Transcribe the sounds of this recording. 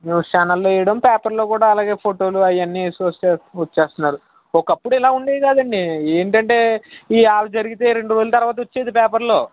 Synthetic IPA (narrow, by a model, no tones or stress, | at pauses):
neːʋuʂaːnɐlːoːɛjɐɽɐmpɛːpɐɾlo̞ːkuːɽaːlaːɡe̞ːpʰoːʈo̞ːluɐjːɐnːiesɐseɐt͡ʃːeːst̪unːaːɾu | ɔkɐpːuɽuilaːuɳɖiɡaːd̪ɐɳɖieːɳʈɐɳʈe̞ːiaːlɐd͡ʒɐɾiɡit̪e̞ːɾe̞ɳɖuɾod͡ʒlɐt̪ɐɾʋaːt̪ɐot͡ʃːeːd̪ipɛːpɐɾlo̞ː